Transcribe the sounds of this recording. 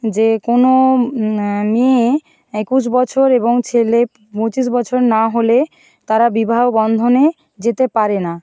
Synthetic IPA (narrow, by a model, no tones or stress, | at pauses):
d͡ʑekono | me | ekuʃ̬bɔt͡ɕʰoɾeboŋt͡ɕʰele | põt͡ɕiʃ̬bɔt͡ɕʰoɾnaɦole | t̪aɾabibʱaobɔnd̪ʱone | d͡ʑet̪epaɾena